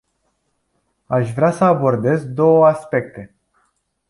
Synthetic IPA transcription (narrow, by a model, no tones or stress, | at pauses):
aʃvɾeasəabo̞rd̪e̞zd̪o̞wəaspe̞k̚t̪e̞